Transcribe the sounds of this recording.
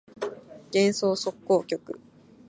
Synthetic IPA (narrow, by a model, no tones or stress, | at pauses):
ɡ̥ẽ̞ɰ̃so̞ːso̞kːo̞ːkʲo̞kɯ̟̰